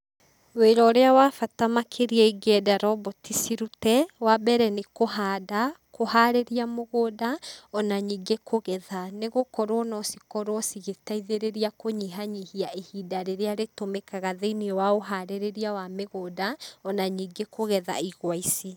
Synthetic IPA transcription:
weɾɔɾeawafatamakʰeɾiɛiɡɛdaɾɔbɔtisiɾutɛwabɛɾɛnekoɦaːdakʰohaɾeɾiamoɣodaɔnaɲiːɡekʰoɣɛðaneɣokɔɾwɔnɔsikɔɾwɔsiɣetaiðeɾeɾiakoɲiɦaɲihiaʔehidaɾeɾeaɾetomekaɣaðeiniɔwaoɦaɾeɾeɾiawameɣoːdaɔnaɲiːɡekoɣɛða̰iɣwaisi

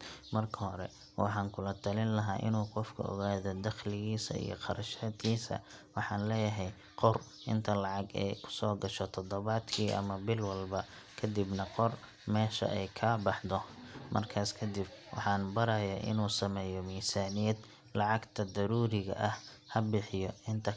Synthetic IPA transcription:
mɐrkʰɐhɔɾɛ̰ | wɑħɑːŋkʰʊlɐt̪ʰɐlɪnlɐɦaːʔɪ̰nuːqɔfkʰɐ̰ʔɔ̰ɣaːðɔd̪ɐχlɪɣiːsɐ̰ḭjɔ̰qɑɾɐʃaːd̪kʰiːsɐ̰wɑħɑːnlɛːjɐɦɛj | qɔr | ʔɪ̰nt̪ʰɐlɑʕɑɡɛ̰jkʰʊ̥sɔːɡɐʃɔt̪ʰɔd̪ɔβaːd̪kʰiːʔɐ̰mɐbɪlwɑlbɐ | kʰɐd̪ɪbnɐqɔr | mɛːʃɐ̰ʔɛjkʰaːbɑħd̪ɔmʔɐ̰rkʰaːskʰɐd̪ɪb̚wɑ̰ħɑːnbɐɾɐjaːʔɪ̰nuːsɐmɛːjɔmiːsaːnɪjɐd̪ | lɑʕɑɡt̪ʰɐd̪ɐɾuːɾɪɣɐ̰ʔɐhhɐbɪħɪjɔʔɪnt̪ʰɐ

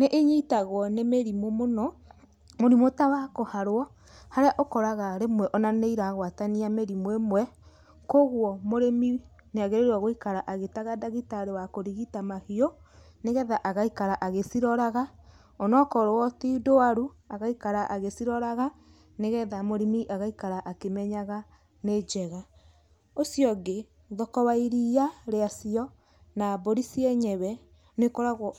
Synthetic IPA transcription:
neʔeɲitaɣwɔnemeɾimomonɔ | moɾimotawakohaɾoɔ | haɾeaʔokɔɾaɣaɾemwɛʔɔnaneiɾaɣwataniameɾimwemwɛ | koɣwɔmoɾemi | neaɣeɾeɾwaɣoikaɾaʔaɣetaɣadaɣitaɾewakoɾiɣitamahiɔ | neɣɛðaʔaɣaikaɾaʔaɣesiɾɔɾaɣa | onɔkɔɾowɔtidoaɾuaɣaikaɾaʔaɣesiɾɔɾaɣa | neɣɛðamoɾimiʔaɣaikaɾaʔakemɛɲaɣa | ned͡ʒɛɣa | osiɔɡe | ðɔkɔwaiɾiaɾeasiɔ | naboɾisiɛɲɛβɛ | nekoɾaɣ

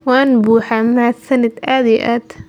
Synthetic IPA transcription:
wanbuːħamaʕasanat̪ʔad̪ɪʔat̪

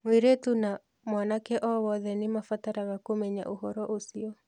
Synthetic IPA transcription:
mweɾetuna | mwanakɛʔɔwɔðɛnemafataɾaɣakomɛɲa̰ʔoɦɔɾɔʔosiɔ

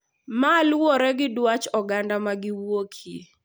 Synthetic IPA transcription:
malwoɾɛɡɪdwat͡ʃɔɡandamaɡɪwokʰi

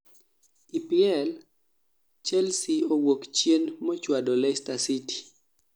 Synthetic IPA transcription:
ipiɛl | t͡ʃɛlsiowokt͡ʃjenmɔt͡ʃwadolɛstasiti̥

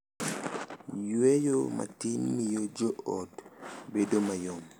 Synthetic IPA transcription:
jwejoma̰tinmijod͡ʒoʔɔtbedomajɔm

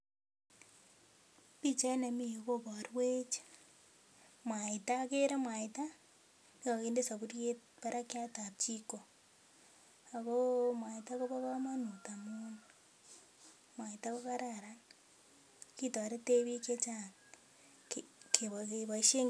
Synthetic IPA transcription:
βit͡ʃainamiɣoβaɾiwet͡ʃḁ | mwaitakeɾamwaita | niaɣeːndesaβuɾjeβaɾakiatat͡ʃiko | aɣomwaitakoβaβamanutamunu | mwaitaβaβaɾaɾa | kitaaɾeteβiket͡ʃan | kʰeaeβaʃeŋ

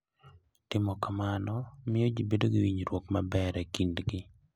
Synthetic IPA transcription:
tɪmɔkamanɔmɪjod͡ʒibedoɡiwiɲɾwokmabɛɾɛkindɡɪ

